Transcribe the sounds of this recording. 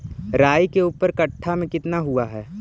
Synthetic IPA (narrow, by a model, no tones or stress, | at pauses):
ɾaːjkeuːpəɾkɐʈʰːamẽkɪt̪naɦuaɦɛː